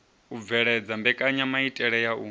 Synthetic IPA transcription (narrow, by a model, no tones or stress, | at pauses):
ub̪vɛɺɛd͡zambɛkʼaɲamaitʼɛɺɛjaṵ